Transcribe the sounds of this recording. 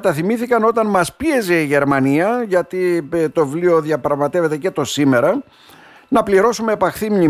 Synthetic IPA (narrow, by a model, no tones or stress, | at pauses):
t̪ɐθimiθikɐno̞t̪ɐnmɐspie̞ze̞iʝe̞ɾmɐniɐʝɐt̪it̪o̞vlio̞ðjɐpɾɐɣmɐt̪e̞ve̞t̪e̞ce̞t̪o̞sime̞ɾɐ | nɐpliɾo̞sume̞ːpɐxθimɲi